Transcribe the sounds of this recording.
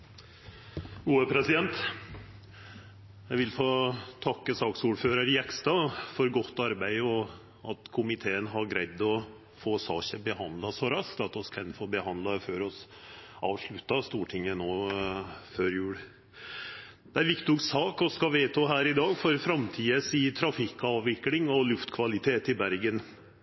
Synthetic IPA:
uːəpʰɾɛsɪd̪ɛnt̪ | jæɪʋɪlfoːt̪ʰɑkːəsɑːksuːɖføːɾəɾɪjɛkst̪ɑfɔɾɡɔt̪ːɑɾbæɪɔ | ɑt̪kʰʊmɪt̪ʰeːənɦɑɡɾæɪd̪ɔ | foːsɑːçəbəhɑnd̪lɑsɔɾɑskt̪ɑt̪ɔskʰɛnfoːɾbəhɑnd̪lɑføːɾɔsʔɑːʋʂɭʉt̪ːɑst̪uːʈʰɪŋːənoː | føːɾjʉːɽ | d̪̥ɛæɾʋɪkt̪ʊksɑːkɔskɑʋeːt̪ʰɑːɦæːɾɪd̪ɑːɡfɔɾfɾɑmt̪ʰiːəsiːt̪ʰɾɑfɪkːɑːʋʋɪkːlɪŋɔlʉft̪kʰʋɑlɪt̪ʰeːt̪ɪbæɾɡən

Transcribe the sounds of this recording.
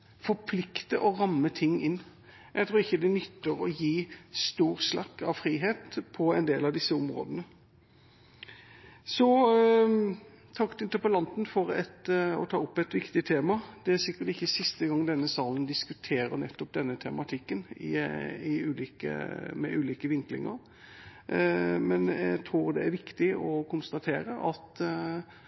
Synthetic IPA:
fɔɾpʰlɪkt̪əʔɔʁɑmːət̪ʰɪŋːɪnː | jʔæɡt̪ʰɾuːɪçːəd̪ɛnʏt̪ːəɾɔjiːst̪uːɾslɑ̰kːɑ̰ʋfɾiːɦeːt̪pʰɔɛnd̪eːlɑʋd̪ɪsːəʊmɾo̰ːd̪ənə | sɔ | t̪ʰɑkt̪ɪnt̪əpəlɑnt̪nfɔɾɛt̪ɔ̰t̪ʰɑːʊpːɛt̪ʋɪkt̪ɪt̪ʰeːmɑd̪ɛæɾsɪkːəɾʈ̪ɪçːəsɪst̪əɡɑŋd̪ɛnːəsɑːlənd̪ɪskʉt̪ʰeːɾə̰ɾnɛt̪ːɔp̚d̪ɛnːət̪ʰɛmɑt̪ʰɪkːənɪ̰ɪʉːliːkə̰mɛ̰ʔʉːliːkəʋɪŋklɪ̰ŋə̰ɾ | mɛnɛt̪ʰɾuːʁd̪ɛæɾʋɪkt̪ɪɔkʰʊnst̪ɑt̪ʰeːɾəʔɑt̪

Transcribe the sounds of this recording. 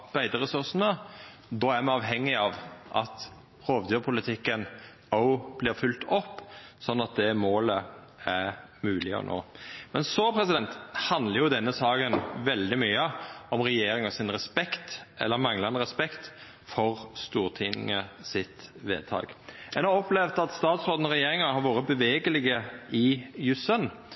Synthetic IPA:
b̥æɪd̪əɾɛsʉɾsnə | d̪ɔːæmɑnɑːʋɦɛŋːɪɑːʋʔɑt̪ | ɾoːʋd̪øːpʰʊlɪt̪ʰɪkːən | ɔʊb̥lɪːɾfʉlt̪ɔpːsɔnːɑt̪̚d̪ɛmoːlə | æɾmʉːlɪə̰nʔo̰ːmɛnsɔpʰɾɛsɪd̪ɛnt̪hɑnd̪ləɾjʊd̪ɛnːəsɑːɡənʋɛld̪ɪmyːəɔmʁɛjeːɾɪŋɔsɪnʁɛspɛkt̪ʔɛ̰lːəɾmɑŋləɑnəʁɛspɛkt̪ | fɔʁst̪uːʁt̪ʰɪnɪ̰ŋəsɪt̪ʋḛːd̪̚t̪ʰɑ̰ːɡɛnhɑʁɔplɛʋd̪ɑt̪st̪ɑːt̪sɾoːd̪n̩ɔɾɛjeːɾɪŋɑhɑɾʋoːɾəbəʋeːɡəlɪɡəɪjʉsən

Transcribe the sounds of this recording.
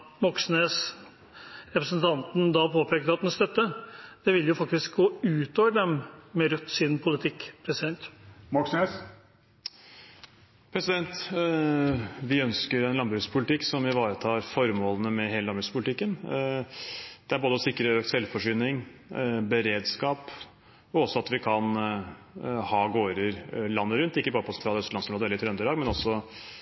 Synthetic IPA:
mɔksneːs | ɾɛpɾəsnt̪ʰɑnt̪n̩d̪ɑpʰoːpʰeːkəəɑt̪̚d̪ɛnst̪œt̪ːəd̪̥ɛʋɪljʊfɑk̚t̪ɪsk̚ɡoːʉːt̪oːʋəɖɛmːɛɾʉt̪ːsɪnpʰʊlɪt̪ʰɪkːpʰɾɛsɪd̪ɛnt̪mɔksneːs | pʰɾɛsɪd̪ɛnt̪ | ʋɪœnskəɾɛnlɑnbɾʉːspʰʊlɪt̪ʰɪkːsɔmɪʋɑːɾət̪ʰɑːɾfɔɾmoːlənəmɛɦeːləlɑnbɾʉspʰʊlɪt̪ʰɪkːən | d̪̥ɛæɾboːd̪əɔsɪkːɾəøːk̚t̪sɛlfɔʂʏːnɪŋbəɾeːd̪skɑːp | ɔɔsːɔɑt̪ʋɪkʰɑn | hɑːɡoːɾəɾlɑnːəɾʉnt̪ɪkːəbɑːɾəpɔsɛnt̪ɾɑːlœst̪əɑnsnɾoːd̪əɛləɾɪt̪ʰɾɛnd̪əɾlɑːɡmɛnɔsːɔ

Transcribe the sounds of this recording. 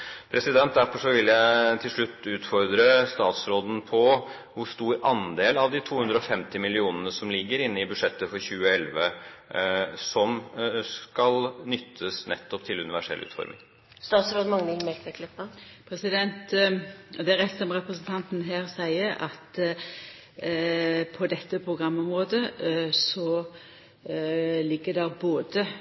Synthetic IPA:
pʰɾɛsɪd̪ɛnt̪̚d̪æɾfɔʂɔʋɪljæɪt̪ʰɪlʂɭʉt̪ːʉːt̪fɔɾd̪ɾəst̪ɑːt̪sɾoːd̪n̩pʰɔ | ʋʊɾst̪uːɾɑnd̪eːlɑʋd̪ɪt̪ʰuːhʉnd̪ɾəɔfɛmt̪ɪmɪlɪuːnənəsɔmlɪɡːəɾɪnːəɪbʉʂɛt̪ːəfɔɾçʉːəɛlʋə | sɔmskɑlnʏt̪ʰːəsnɛ̰t̪ʰːɔpt̪ʰɪlʉ̰nɪʋæʂɛ̰lʉ̰ːt̪fɔ̰ɾmʔɪ̰ŋ | st̪ɑːt̪sɾoːd̪mɑŋənəɪmɛlt̪ʋɛkʰlœpːəpʰɾɛsɪd̪ɛnt̪ | d̪ɛæɾɛt̪sɔmʁɛpʁəsən̩t̪ʰɑnt̪nɦeːɾsæɪəɾɑ̰t̪ | pʰɔd̪ɛt̪ːəpʰʁʊɡʁɑmːɔmɾoːd̪əsɔ | lɪɡːəd̪ɛʁboːd̪ə

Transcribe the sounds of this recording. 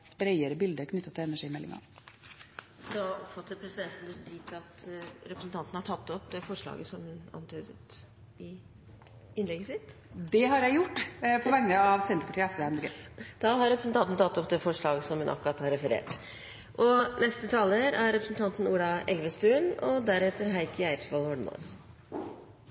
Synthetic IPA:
bɾæɪəɾəbɪld̪əɾkʰnʏt̪ːət̪ʰːɪlɛnæʂiːmɛlːɪ̰ŋɑ̰ | d̪ɑɔpfɑt̪ːət̪pʰɾɛsɪd̪ɛnt̪n̩d̪ɛt̪iːt̪ɑt̪ɾɛpɾəsn̩t̪ʰɑnt̪nəhɑʈʰɑt̪ːɔpd̪ɛfɔʂɭɑ̰ːɡəsɔmhʉnɑ̰nt̪ʰyːd̪ət̪ | ɪ | ɪnlɛɡəsɪt̪d̪ɛɦɑɾjæɪjʊʈːpʰɔʋɛŋnəɑʋsɛnt̪əɾpʰɑʈʰiːəɛsʋɛɛmlɡəd̪̥ɑɦɑɾɛpɾəsn̩t̪ɑnt̪n̩t̪ɑt̪ːɔp̚d̪ɛfɔʂɭɑːɡəsɔmhʉnʔɑ̰kːɾɑt̪hɑɾɛfəɾḛːʈ | ʔɔnɛst̪ət̪ʰɑːləɾæɾːɛpɾəsn̩t̪ʰɑnt̪n̩uːlɑɛlʋəst̪ʉːnɔd̪æɾɛt̪ːəɾɦæɪkʰəæɪɾsbɑlhɔɳmɔ̰ːs

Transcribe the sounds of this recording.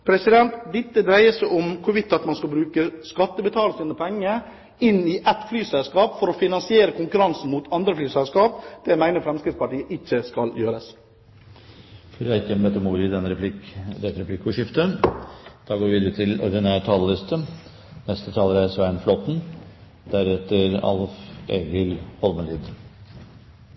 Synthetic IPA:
pʰɾɛsɪd̪ɛnt̪d̪ɪt̪ːəd̪ɾæɪəsæʔʊmkʰʊɾʋɪt̪ːɑt̪mɑnskɑlbɾʉːkəskɑt̪ːəbət̪ʰɑːləsnəpʰɛŋːə | ɪnːɪʔɛt̪flyːsɛlskɑːpfɔɾɔfɪnɑnsɪeːɾəkʰʊŋkʉɾɑnsn̩mut̪ʰɑnd̪ɾəflyːsɛlskɑːp̚d̪̥ɛmæɪnəɾfɾɛmskɾɪt̪spɑʈiːəʔɪçːəskɑljøːɾəs | fɾæɪkːəbɛt̪ːəmuːd̪ɪd̪ɛnːɾɛpʰlɪkd̪ɛt̪ɾɛpʰlɪkːpɔʂɪft̪ə | d̪̥ɑːɡoːʋɪʋiːd̪əɾət̪ʰɪlɔ̰ɾɖ̪ɪnæːʈʰɑːləlɪst̪ə | nɛst̪ət̪ʰɑːləɾæsʋæɪnflɔt̪n̩ | d̪̥æɾɛt̪ːəɾɑ̰lfeːɡəlhɔlməliːd̪

